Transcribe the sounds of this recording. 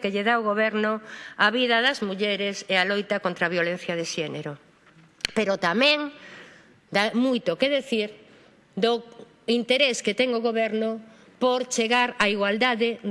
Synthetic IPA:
keʎeðaoɣoβɛɾnʊaβiðɐðɐzmuʎɛɾesealojt̪ɐkont̪ɾaβjolẽn̟θjɐðeʃɛneɾo | peɾot̪amɛ̃ŋ | d̪amujt̪okeðeθiɾ | d̪o | int̪eɾesket̪ɛŋoɣoβɛɾno | poɾt͡ʃeɣaɾaiɣwald̪aðe

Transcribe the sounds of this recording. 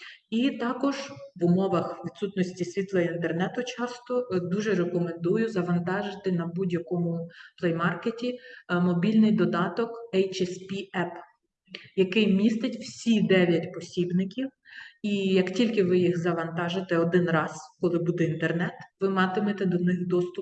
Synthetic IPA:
it̪ɑkɔʒʋʊmɔʋɐxʋʲid̪sut̪nɔsʲtʲisʲʋʲit̪lˠɐint̪ernɛt̪ʊt͡ʃɑst̪ɔd̪uʒɛɾekɔmend̪ujʊzɐʋɐnt̪ɑʒɪt̪ɪnɐbudʲjɐkɔmʊplˠɛjmɑrketʲimɔbʲilʲnɪjd̪ɔd̪ɑt̪ɔkɛjt͡ʃɛspʲiɛp | jɐkɪjmʲist̪ɪtʲw̥sʲid̪ɛʋʲjɐtʲpɔsʲibnɪkʲiw | ijɐktʲilʲkɪʋɪjixzɐʋɐnt̪ɑʒɪt̪ɛɔd̪ɪnrɑzkɔlˠɪbud̪ɛint̪ernɛt̪ʋɪmɑt̪ɪmet̪ɛd̪ɔnɪxd̪ɔst̪ʊp

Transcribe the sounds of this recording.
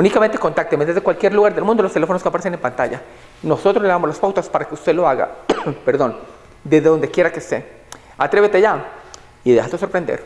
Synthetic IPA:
unikamẽnt̪eko̞nt̪ak̚t̪emezðe̞zðekwalkje̞ɾluɣaɾðe̞lmũnd̪olost̪ele̞fonoskepaɾesenempant̪aʝa | no̞so̞t̪ɾozleamolaspawt̪aspaɾakeust̪elo̞aɣa̰peɾðo̞n | d̪ezðeðo̞nd̪ekje̞ɾakest̪e | at̪ɾe̞βet̪eaʝa | iðe̞xat̪eso̞ɾpɾend̪ḛɾ

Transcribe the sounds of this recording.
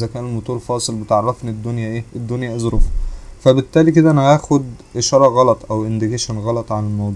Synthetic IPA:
zækæːnelmot̪ˤuːɾfɑːsˤelbet̪ʕɑrˤːɑfned̪ːonjæʔeːʔed̪ːonjæʔezɾofo̥fæbet̪ːæːlik̬ed̪æʔænæhæːxod̪ʔeʃɑːɾˤɑɣɑlɑt̪ˤʔæwʔend̪eɡeːʃænɣɑlɑt̪ˤʕanelmɑwd̪ˤ

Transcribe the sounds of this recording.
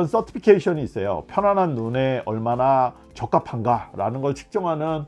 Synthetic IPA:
ʌns͈ʌtʰi̥pʰikʰeiɕʰʌniːs͈ʌjo̰pʰjʌnanɦanːune̞ʌɭmana | t͡ɕʌk͈apʰanɡaɾa̰nɯnɡʌɭt͡ɕʰɯ̥k̚t͡ɕ͈ʌŋɦanɯn

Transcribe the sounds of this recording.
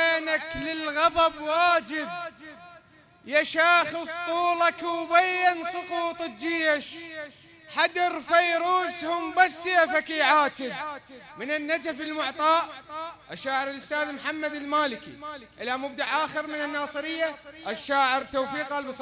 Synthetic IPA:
anaklɪlɣɑðˤɑbwaːd͡ʒɪb̚ | jaʃaːxɨsˤt̪ˤuːlɑkwbajansˤʊquːt̪ˤɨd͡ʒiːaʃ | ħad̪ɑɾˤfajɾuːshʊmbasjafakiːʕaːt̪ɪ | mɪnɪnːad͡ʒafɪlmʊʕt̪ˤɑːʔʔaʃːaːʕɪɾɪlʔʊst̪aːðmħamːad̪ɪlmaːlɪkḭ | ʔɪlamʊbd̪aʕʔaːxɪɾmɪnɪnːɑːsˤɨɾɪjːaʔaʃːaːʕɪɾt̪awfiːqalbsˤ

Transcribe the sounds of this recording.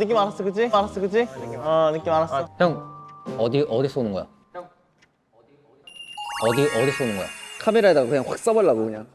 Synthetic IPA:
nɯk͈imanas͈ɯkɯd͡ʑimanas͈ʌkɯd͡ʑiʌnɯk͈imanas͈ʌhʰjʌŋʌd̪iʔʌdis͈onɯnɡʌjo̰ | ʌd̪iʔʌdis͈onɯnɡʌjo̰kʰameɾaet͈aɡakɯɲaŋɸwak̚s͈ʌbʌɭːaɡokɯɲaŋ

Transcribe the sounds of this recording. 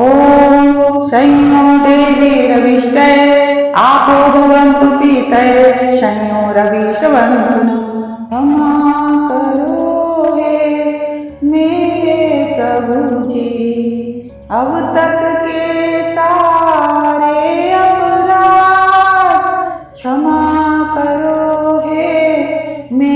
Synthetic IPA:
oː | ʃɐjmoːd̪eːʋiːɾɐʋiʃʈɐjeaːpoːd̪ʱuʋɐnt̪ut̪it̪ɐjeʃɐjmoːɾɐʋiːʃɐʋɐnt̪unɐ | ɐmaːk̪ɐɾuuːɦe | meːɾepɾɐbʱud͡ʒi | ɐʋut̪ɐk̪kesaː | ɾeɐbuɾaː | t̪ | t͡ʃʰɐmaːkɐɾoːɦe | me

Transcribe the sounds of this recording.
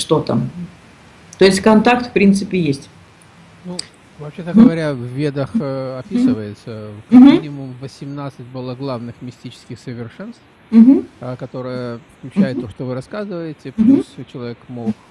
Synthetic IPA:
ʂt̪o̞t̪ə̰ | t̪o̞ɪsʲtʲkɐnt̪akt̪fpɾʲint̪sɨpʲɪjesʲtʲ | nu | vɐpɕet̪əɡəvɐɾʲavvʲed̪əxɐpʲisɨvəjɪt̪səkmʲinʲɪmʊmvəsʲɪmnat̪sɨtʲbɨlˠəɡlˠavnɨxmʲɪsʲtʲit͡ɕɪ̥skʲɪxsəvʲɪrʂɛnst̪f̩ɦ̩kɐt̪o̞ɾɨjəklʲʊt͡ɕːæjɪt̪ːoʂt̪ovɨɾɐskazɨvəjɪtʲɪplust͡ɕɪlˠɐvʲekmok

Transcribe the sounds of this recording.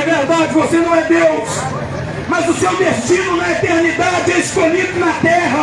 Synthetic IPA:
ɛveɾd̪ad͡ʒɪvosenɐ̃w̃ɛd̪ews | mɐzʊsewd̪est͡ʃĩnʊñɐ̃ɛet̪eɾnid̪ad͡ʒɪɛiskoʎid̪ʊnɐt̪ɛɦɐ

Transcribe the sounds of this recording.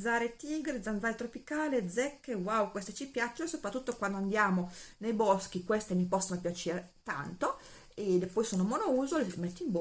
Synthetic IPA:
zaːɾet̪iɡɾed̪zand̪zaːɾet̪ɾopikaːled̪zɛkːewawkwest̪et͡ʃipjat͡ʃːoosopɾat̪ːut̪ːokwand̪oand̪jaːmonejbɔsk̟ikwest̪emipɔsːonopjat͡ʃeːɾet̪a̰nt̪o | ed̪epɔjsoːnomonouːzolemɛt̪ːeimb

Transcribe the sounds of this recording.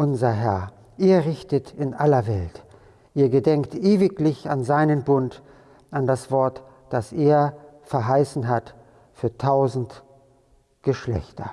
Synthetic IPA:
ʔʊnzɐɦɛɐ | ʔeːɐʁɪçtətɪnʔalɐvɛlt | ʔiːɐɡədɛŋk̚tʔeːvɪklɪçanzaɪnənbʊnt | ʔandasv̥ɔɐt | d̥asʔeːɐfɛɐɦaɪsn̩ɦat | fyːɐtʰaʊzn̩t | ɡ̥əʃlɛ̰çtɐ̰

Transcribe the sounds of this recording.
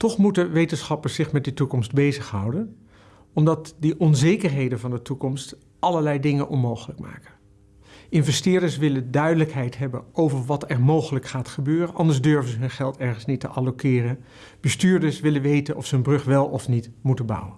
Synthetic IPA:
tɔχmutənʋejtənsχɑpəɹsɪχmɛt̚ditukɔmsd̚bejzəχɦʌwdən | ɔmdɑtdiʔɔnzejkəɹɦejdənvɑndətukɔmst | ʔɑləɹlɛjdɪŋənʔɔnmowχələkma̰ːkən | ɪnvɛstɪːɹdəɹsʋɪləndœɥdələkɦɛjtɦɛbə̰nowvəɹʋɑtɛɹmowχələkχaːtχəbøːrənʔɑndəɹzdøɹvəzəɦɵnχɛlˠtɛɹχənsnitəʔalokɪːrən | b̥əstyːɹdəɹsʋɪlənʋejtənʔɔ̰fsəɦɵnbrɵχʋɛlˠɔfnitmutənbɑ̰wən

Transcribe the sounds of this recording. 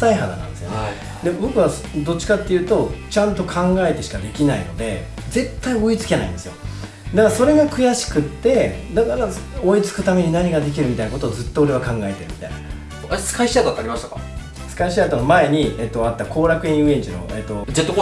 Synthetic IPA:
saiɦad̪a̰nã̰nd̪esɨjon | d̪e̞bo̞kɯ̟βas | d̪o̞t͡ɕːi̥kat̪ːe̞jɯ̟ːt̪o̞t͡ɕãnt̪o̞kʰãŋɡae̞t̪e̞ɕi̥kad̪e̞kʲinaḭno̞̰d̪e̞̰ | d͡ze̞t̪ːaio̞it͡sɨ̥ke̞na̰ḭ̃nd̪e̞sɨjo̞̰ | d̪akaaso̞ɾe̞ɡakɯ̟jaɕi̥kɯ̟t̪ːe̞d̪akaɾao̞it͡sɨ̥kɯ̟t̪ame̞ɲ̟inaɲ̟iɡad̪e̞k̬ʲiɾɯmʲit̪aijnako̞t̪o̞ːzɨt̪ːo̞oɾe̞βakãŋɡae̞t̪e̞ɾɯ̟mʲi̥t̪a̰jna | asɨ̥kaiɕiad̪at̪ːaɾʲimaɕt̪ḁka̰ | sɨ̥kaiɕiat̪onomae̞ɲ̟iet̪ːo̞at̪ːakʰo̞ːɾakɯ̟ĩɯẽɲt͡ɕino̞̰et̪ːo̞zet̪ːok

